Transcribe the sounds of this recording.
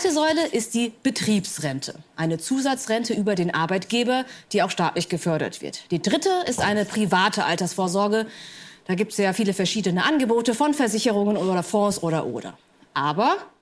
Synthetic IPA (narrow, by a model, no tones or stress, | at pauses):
atəzɔʏləʔɪst̚d̥iːb̥ətʁ̥iːpsʁɛntʰə̰ʔaɪnət͡suːzat͡sʁɛntəʔyːbɐdeːnʔaɐbaɪtɡ̥eːbɐd̥iːaʊxʃta̰ːtlɪçɡ̥əfœɐɾɐ̰tv̥ɪ̰ɐtd̥iːdʁɪtəɪstʔaɪnəpʁ̥ivaːtʰəʔaltɐsfoːɐzɔɐɡəd̥aːɡiːp̚tsjaːfiːləfɛɐʃiːdənəʔanɡəboːtəfɔnfɛɐzɪçəʁ̞ʊŋənoːɾɐfɔ̃ːsʔoːɾɐʔo̰ːɾɐ̰ | ʔaːbɐ